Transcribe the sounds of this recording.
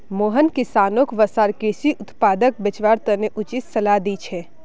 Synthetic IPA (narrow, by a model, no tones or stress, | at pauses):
moːɦənkɪsaːnokʋəsaːɾkesiʔʊt̪paːd̪ək̚bət͡ʃʋaɾt̪əneʔʊt͡ʃit̪sɐlad̪it͡ʃʰɛ